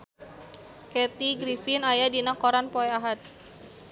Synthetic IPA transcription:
kɛt̪iɡɾifinajadinakoɾanpoɛaɦat̪̚

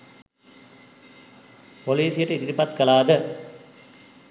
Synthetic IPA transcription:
poliːsijəʈəid̪iɾipat̪kəlaːd̪ə

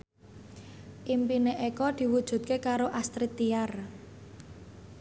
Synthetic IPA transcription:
ʔimpineʔekɔd̪̥i̤wud̥ʒ̥ṳt̪̚kekaɾoʔast̪ɾit̪iar

